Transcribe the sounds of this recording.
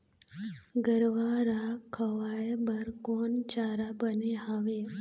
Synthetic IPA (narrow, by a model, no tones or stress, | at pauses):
ɡəɾʋaɾakʰəʋaːjbəɾkoːnt͡ʃaːɾabəneɦaʋe